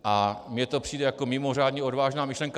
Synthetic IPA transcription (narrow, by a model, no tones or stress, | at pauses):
ʔamɲɛt̪o̞pr̝̥iːdɛjakomɪmo̞r̝aːdɲɛo̞dvaːʒnaːmɪʃlɛŋka